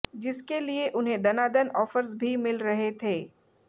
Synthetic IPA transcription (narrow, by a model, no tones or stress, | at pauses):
d͡ʒɪskelieʔʊnɦẽd̪ɐnaːd̪ənɔːfəɾsbʱimɪlɾɐɦet̪ʰeː